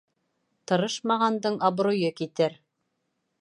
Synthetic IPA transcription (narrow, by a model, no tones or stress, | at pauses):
t̪ɤ̆ɾɤʃmɑʁɑnd̪ɤɴɑbɾojɤkit̪ɘɾ